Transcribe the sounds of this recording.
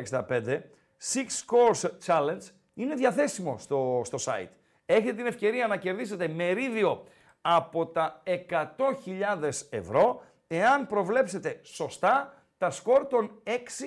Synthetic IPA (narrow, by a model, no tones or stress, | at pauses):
ksd̪ɐpe̞nd̪e̞ | sikskoɾst͡ʃɐlend͡z | ine̞ðʝɐθe̞simo̞̰st̪ost̪o̞sɐ̰ḭt̪ | e̞çet̪et̪ine̞fce̞ɾiɐnɐce̞ɾðis̬e̞t̪e̞me̞ɾiðio̞ | ɐpo̞t̪ɐe̞kɐt̪o̞çiʎɐðe̞se̞̰vɾo̞ | e̞ɐnpɾo̞vle̞pse̞t̪e̞so̞st̪ɐ | t̪ɐsko̞ɾt̪o̞ne̞ksi